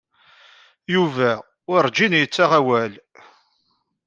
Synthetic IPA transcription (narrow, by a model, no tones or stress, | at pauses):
juvæ | ʊɾɾˤd͡ʒinjət͡sːaʁæwæl